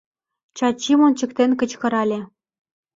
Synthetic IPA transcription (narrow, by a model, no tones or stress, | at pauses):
t͡ɕɑt͡ɕːimont͡ɕɘ̆kt̪enkə̆t͡ɕkɤ̆ɾɑlʲe